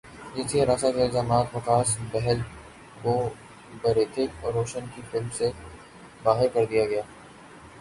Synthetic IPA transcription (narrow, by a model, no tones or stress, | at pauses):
d͡ʒɪnsieɾaːsakɪlzaːmaːt̪ʋɐkaːsbɛɦɛl | ɡoː | bɐɾeːt̪ʰɪkɔːɾːoːʃənkifɪlmse | baːɦɪɾkɐɾd̪ijaɡɐjaː